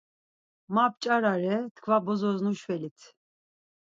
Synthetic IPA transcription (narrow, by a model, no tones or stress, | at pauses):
map̚t͡ʃʼaɾaɾɛt̪ʰkʰvabɔzɔznuʃvɛlit̪ʰ